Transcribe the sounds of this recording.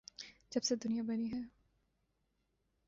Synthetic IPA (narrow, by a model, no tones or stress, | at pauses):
d͡ʒɐbsed̪ʊnijabɐniɦɛː